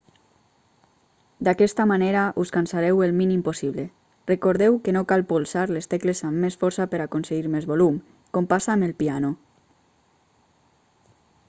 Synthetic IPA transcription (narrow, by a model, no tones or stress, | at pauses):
d̪akɛst̪amaneɾaʔuskansaɾɛwelˠminimposiβle | rəkoɾðɛwkenokalˠpulˠsaɾlest̪eklezamːesfɔɾsapəɾakonseɣiɾmezβolum | kompasaːmelˠpiano